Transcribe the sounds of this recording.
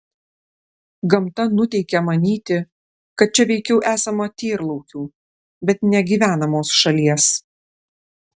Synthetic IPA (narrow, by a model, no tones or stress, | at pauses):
ɡɐmt̪ɐnʊt̪ʲɛɪkʲɛmɐnʲiːt̪ʲɪ | kɐt̪̚t͡ʃʲɛʋʲɛɪkʲɛʊʔæːsɐmot̪ʲeːɾlˠɔʊkʲuː | bʲɛt̪nʲɛɡʲiːʋʲæːnɐmoːsʃɐlʲiɛs